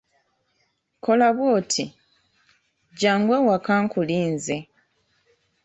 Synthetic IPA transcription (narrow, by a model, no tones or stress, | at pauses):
ko̞laβwoːtʰi | ɟaːŋɡwewakaːŋkuliːnze